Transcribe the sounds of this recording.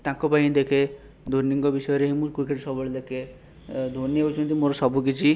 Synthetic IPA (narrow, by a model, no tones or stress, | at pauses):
t̪ãkɔpaɦĩd̪ekʰe | d̪ʱoɾniŋɡɔbisɔjɔɾeɦimũɾkukeʈsɔbɔɭd̪ekʰe | d̪ʱoniewt͡ʃʰɔnt̪imoɾɔsɔbʱukit͡ʃʰi